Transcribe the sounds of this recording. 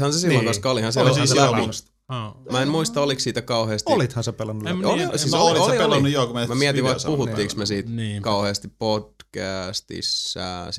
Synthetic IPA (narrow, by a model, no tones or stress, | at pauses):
hɑnsesillːoŋkɑnskɑolihɑnsesslæp | mæemmuist̪ɑoliksiːt̪ækɑuheːst̪iolit̪hɑnsepelɑnːuoisisliolielɑnːujokummæmiɛt̪iʋɑikpuhuːiːksmesiːt̪nkɑuheːst̪ippod̚kæst̪ḭsːæ̰ː